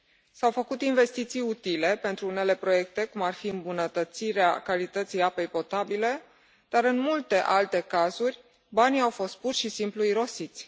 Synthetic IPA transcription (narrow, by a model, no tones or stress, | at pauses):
sawfəkut̪inve̞st̪it̪sijut̪ile̞pe̞nt̪ɾuune̞le̞pɾo̞je̞k̚t̪e̞kumarfiɨmbunət̪ət̪siɾea̰kalit̪ət̪sijape̞jpo̞t̪abile̞ | d̪̥aɾɨnmult̪e̞ʔalt̪e̞kazurʲ | baniawfo̞st̪̚purʃisimpluiɾo̞sit̪sʲ